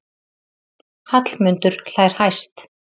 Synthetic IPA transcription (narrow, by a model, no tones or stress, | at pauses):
hat̪lmʏnt̪ʏɾ̥l̥aːjɾ̥hajst̪